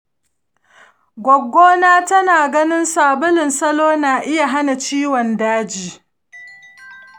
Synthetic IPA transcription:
ɡʷɔ˨ɡːoː˦naː˦tɐ˦naː˨ɡɐ˦nɪ˦nsaː˨bʊ˦lɪ˨nsɐ˦loː˦naː˨ʔɪ˦ja˨ɦa˦na˨t͡ʃiː˦wɔ˨ndaː˦d͡ʒiː˨˦

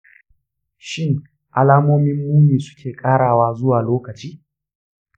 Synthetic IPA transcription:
ʃɪ˦ŋ | ʔa˦laː˦moː˦mɪ˦mːuː˦miː˨sʊ̥˦kʲʰeː˨kʼaː˦ɽaː˨waː˦zʊ˦waː˨loː˦kɐ˨t͡ʃiː˦

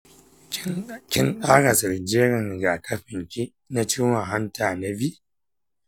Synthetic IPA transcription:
kʲɪ˦nɗaː˦ɽa˨sɪ˨ɾd͡ʒeː˦ɾɪ˨ŋ˨ɡa˨kʰɐ˦ɸɪ˨ŋkʲi˦ | na˦t͡ʃiː˦wa˨ɦa˦ntaː˨na˦bi˦ʔ

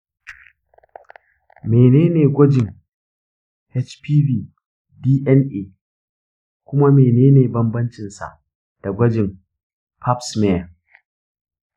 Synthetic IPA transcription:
meː˨neː˦neː˨ɡʷɐ˦d͡ʒɪ˨ŋ | hɛ˦t͡ʃpiː˦biː˦ | diː˦ʔɛ˦nʔeː˨ | kʷʊ˦ma˦meː˨neː˦neː˨bɐ˦mbɐ˦nt͡ʃɪ˨nsa̰˨ʔ | d̥a˨ɡʷɐ˦d͡ʒɪ˨m | pʰa˦psmɛ˦˨a˨

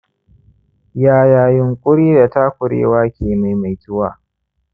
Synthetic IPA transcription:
jaː˨jaː˨jʊ˨ŋkʷʼʊ˦ɽiː˦da˨ta˦kʷʊ˨ɽḛː˦waː˦kʲeː˨ma˨jma˨jtʊ˦wa̰ː˦˨

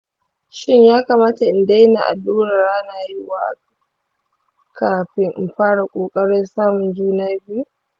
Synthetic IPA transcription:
ʃɪ˦ɲjaː˦ka˨maː˦ta˨ʔɪ˨nda˦jna̰˨ʔa̰˨duː˦ɾɐ˨ra˦naː˨jɪ˦waː˨ʔa̰˨˦ | kʰaː˨ɸɪ˦ŋʔɪ̰˨mɸaː˦ɽa˨kʷʼoː˨kʼɐ˦ɽɪ˦nsaː˦mʊ˨nd͡ʒuː˦naː˦buː˦

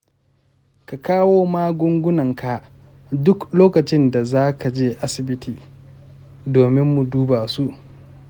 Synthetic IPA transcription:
ka˨kaː˦woː˦maː˦ɡʷʊ˦ŋɡʷʊ˦nɐ˨ŋka˨ʔ | dʊ˦kloː˦kɐ˨t͡ʃɪ˦nda˨zaː˦ka˨d͡ʒeː˦ʔa˦sɪ˨bɪ˦tiː˨ | doː˨mɪ˦mːu˨duː˦baː˨su˦ʔ

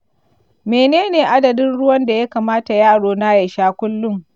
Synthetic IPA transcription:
meː˨neː˦neː˨ʔa˦dɐ˨dɪ˦nɽʊ˦wɐ˦nda˨ja˦kaː˨maː˦ta˨jaː˦˨ɽoː˨na˦je˨ʃaː˦kʷʊ˦lːʊ˦ŋ

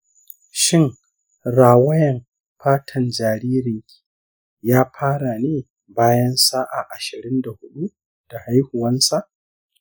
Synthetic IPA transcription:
ʃɪ˦ŋ | ɾaː˨wɐ˦jɐ˨m | ɸaː˦tʰɐ˨nd͡ʒaː˨ɾiː˦ɾɪ˨ŋkʲʰi̥ː˨ | jaː˦ɸʰaː˦ɽa˨neː˦ | baː˦jɐ˦nsaː˦ʔa̰˨ʔa˨ʃɪ˨ɾɪ˦nda˨hʊ˦ɗu˦ | d̥a˨ha˦jhʊ˨wɐ˦nsa˨ʔ

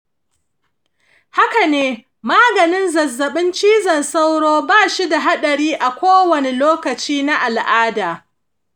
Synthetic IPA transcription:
ha˦ka˨neː˦ | maː˦ɡɐ˨nɪ˦nzɐ˨zːɐ˨ɓɪ˦nt͡ʃiː˦zɐ˨nsa˦wɽoː˦baː˦˨ʃi˦da˨ɦa˦ɗɐ˨ɽiː˦ʔa˨kʷoː˦wɐ˨ne˨loː˦kɐ˨t͡ʃiː˦na˦ʔa˨lʔaː˦daː˨

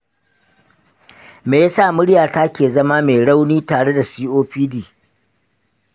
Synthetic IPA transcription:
meː˨ja˦sa˦˨mʊ˦ɽjaː˨ta˦kʲeː˨zɐ˦maː˦meː˨ɽa˦wniː˦taː˨ɽe˦da˨siː˦ʔoː˦ɸiː˦diː˨

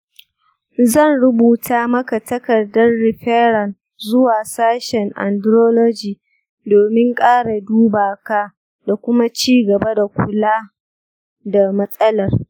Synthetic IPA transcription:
zɐ˦˨nɽʊ˦buː˨taː˦mɐ˦ka˨tɐ˦kɐ˨rdɐ˦rːɪ˨ɸɛ˦ɾɐ˨n | zʊ˦waː˨saː˦ʃɛ˨ŋʔa̰˨ndɾoː˦lɔ˦d͡ʒiː˨ | doː˨mɪ˦ŋkʼaː˦ɽa˨duː˦baː˨ka˦ | da˨kʷʊ˦ma˦t͡ʃiː˦ɡɐ˨ba˦da˨kʷʊ˨laː˦ | da˨mɐ˦sʼɐ˦lɐ˨r

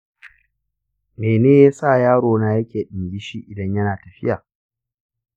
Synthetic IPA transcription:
meː˨neː˦jaː˦saː˦˨jaː˦ɽoː˨naː˦jɐ˦kʲeː˨ɗɪ˨ŋɡʲi˦ʃiː˦ʔɪ˨dɐ˦ɲjɐ˦naː˨tɐ˨ɸɪ̰˦jaː˨

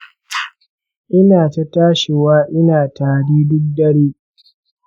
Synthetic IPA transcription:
ʔɪ˦naː˨ta˦taː˦ʃɪ˨waː˦ʔɪ˦naː˨taː˨ɽiː˦dʊ˦k̚dɐ˦ɽeː˦

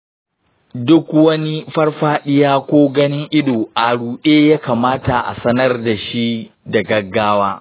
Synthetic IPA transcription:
dʊ˦kwɐ˦ni˦ɸɐ˦rɸaː˦ɗɪ˦jaː˦kʷoː˦ɡɐ˦nɪ˦ŋʔɪ˦ɗoː˨ʔa˨ɽuː˨ɗeː˦jaː˦kaː˨maː˦ta˨ʔa̰˨sɐ˦nɐ˦rda˨ʃi˦da˨ɡɐ˦ɡːaː˦waː˦

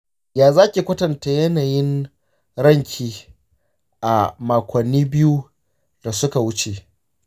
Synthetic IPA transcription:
jaː˨zaː˦kʲi˨kʷɐ˦tɐ˨nta˨jɐ˦naː˨jɪ˦n | ɽɐ˦ŋkʲʰiː˨ | ʔa˨maː˨kʷɐ˨nːiː˦bɪ˦ju˦ | d̥a˨sʊ˦ka˨wʊ˦t͡ʃe˨

